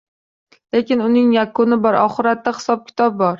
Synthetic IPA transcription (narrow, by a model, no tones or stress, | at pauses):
le̞kʲɪnʊnɪŋjakʊnɪbɒɾʔɒ̰χɪɾat̪ːaχɪ̥sɒb̚kʲʰɪ̥t̪ʰɒb̚bɒɾ